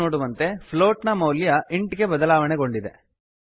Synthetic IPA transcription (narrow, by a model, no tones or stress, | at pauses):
oːɽuʋɐnt̪e̞pʰloːʈnɐmɐwljɐʔiɳʈɡe̞bɐd̪ɐlaːʋɐɳeɡo̞ɳɖid̪e̞̰